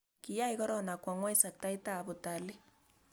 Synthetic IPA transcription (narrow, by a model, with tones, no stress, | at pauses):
ki˨ja˦i˦ɣɔ˦ɾɔ˦na˨kwa˨ŋwa˦i˦sa˨k̚ta˦i˦ta˦˨βo˨ta˨le˦